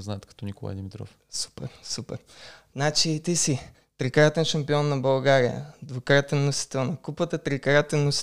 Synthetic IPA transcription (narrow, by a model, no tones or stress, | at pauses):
znaɛt̪kɐ̥t̪ɔnikolˠa̰jd̪ɛmit̪ɾɔ̰f | su̥pɛ̰ɾsupɛ̰ɾnat͡ʃit̪isi | t̪ɾɛkɾat̪ɛnʃɐmpiɔnːɐbɐlˠɡaɾijə̰ɐd̪vokɾat̪ɛnːosi̥t̪ɛlˠnɐkupət̪ət̪ɾɛkɾat̪ɛnːos